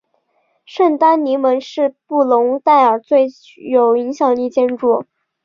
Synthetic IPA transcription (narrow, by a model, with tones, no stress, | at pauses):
ʂə˥˩nt̪a˥nni˧˥mə˧˥nʂɻ̩˥˧pu˥˩lʊ˧˥ŋt̪a˥˩ɪə˞˨˩t͡swe˥˧ɪ | jo˨˩ʊi˧˥ŋɕjɑ˨˩ŋli˥˩t͡ɕjɛ˥nʈ͡ʂu˥˩